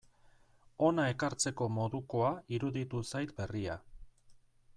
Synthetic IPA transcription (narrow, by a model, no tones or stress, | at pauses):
o̞nae̞kaɾt͡se̞ko̞mo̞ðuko̞aiɾuðit̪usajt̪be̞ria